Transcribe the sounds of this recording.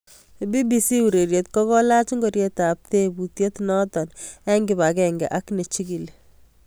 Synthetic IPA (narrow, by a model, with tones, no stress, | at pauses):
bi˦bi˨si˦u˨ɾe˨ɾjet̚kɔ˦kɔ˦la˦t͡ʃi˦ŋɡɔɾjetap̚tebu˨tje˦tnɔ˦tɔ˨nɛ˦ŋɡɪba˨kɛŋɡɛ̰˨ʔa˦kne˨t͡ʃi˦ki˨le